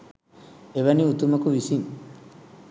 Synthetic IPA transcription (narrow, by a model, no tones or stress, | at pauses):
eʋɐniut̪umɐkuʋisin